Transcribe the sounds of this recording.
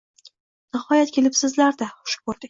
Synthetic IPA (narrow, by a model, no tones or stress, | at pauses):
nɪhɒjat̪kʲʰe̞lɪpsɪzlaɾd̪aχʊ̥ʃbolˠd̪ɪkʲ